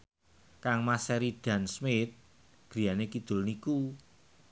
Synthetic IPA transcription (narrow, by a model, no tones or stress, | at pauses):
kaŋmasɛɾiɖ̪̥a̤nsmɪt̪̚ | ɡ̥ɾi̤janekid̪̥ʊ̤lniku